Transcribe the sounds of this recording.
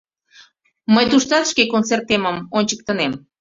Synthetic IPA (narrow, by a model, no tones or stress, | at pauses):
məjt̪uʃt̪ɑt̪ʃkekont͡sert̪ːeməmonʲt͡ɕək̚t̪ənem